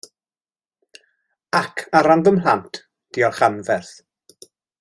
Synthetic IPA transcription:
akʰaɾandəmlantʰ | d̥iɔrχanvɛrθ

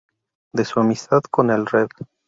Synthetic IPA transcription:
d̪e̞suamist̪aðko̞nelreð

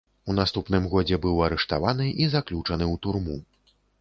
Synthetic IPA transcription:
un̪ast̪upnɨmɣɔd͡zʲɛbɨwɐɾɛʂt̪avanɨʔizaklʲut͡ʂɐnɨwt̪urmu

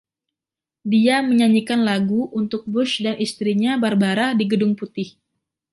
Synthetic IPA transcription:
diaməɲaɲikanlaɡuʔunt̪ʊk̚bʊʃdanist̪ɾiɲabarbaɾadiɡədʊŋput̪ɪh

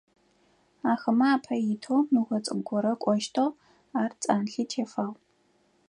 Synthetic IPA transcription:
aːxɐmaaːpʰɐjɪtʰowmɨʁʷɔt͡sʼɨ̰ɡʷɔɾɐkʷʼɔʃtʰow | aːrt͡sʼaːnɬiːtʰeːfaːʁ

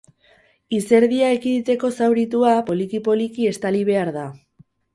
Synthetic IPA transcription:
ise̞ɾðiaekiðit̪e̞ko̞sawɾit̪uapo̞likipo̞likie̞st̪aliβ̞e̞aɾða

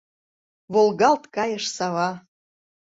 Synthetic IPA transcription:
βolˠɣɑlt̪kɑjə̆ʃsɑβɑ

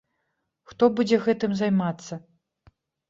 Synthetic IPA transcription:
xt̪ɔbud͡zʲɛɣɛt̪ɨmzajmat̪sːɐ

